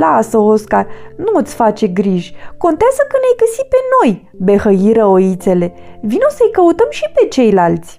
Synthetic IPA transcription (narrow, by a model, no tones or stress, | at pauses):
lasəoskarnuɨt̪sʲfat͡ʃe̞ɡɾiʒʲko̞nt̪eazəkənajɡəsipe̞no̞j | be̞həiɾəoit̪se̞le̞ | vinosəjkəut̪əmʃipe̞t͡ʃe̞jlalt̪sʲ